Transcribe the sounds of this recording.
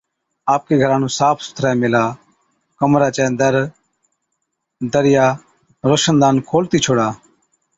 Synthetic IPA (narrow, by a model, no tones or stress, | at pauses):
aːp̚keːɡʱəɾãːnũːsaːpʰsʊ̥t̪ʰɾaːjmelaː | kəmɾaːt͡ʃɛ̃ːd̪əɾ | d̪əɾɪjaː | ɾoːʃənd̪aːnkʰoːlt̪iːt͡ʃʰoːɽaː